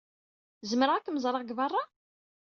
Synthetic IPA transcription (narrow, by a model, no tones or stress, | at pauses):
zəməɾʁækːməzˤɾˤəʁɡvɑrˤːɑ